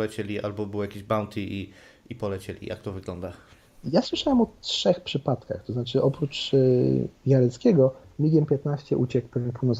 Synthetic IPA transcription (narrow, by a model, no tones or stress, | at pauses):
lɛt͡ɕelʲiʔalbɔbɘwjakʲeʑbawnt̪ʰii | ipɔlɛt͡ɕelʲḭja̰kt̪ɔvɘɡlɔnd̪a | jaswɘʂawɛmɔtʂɛxpʂɘpat̪ka̰xt̪ɔznat͡ʂɘʔɔpɾut͡ʂ | vʲjaɾɛt̪skʲɛɡɔmʲiɡʲjɛmpʲjɛt̪naɕt͡ɕɛʔut͡ɕɛkpɛvjɛnpʰuwnɔs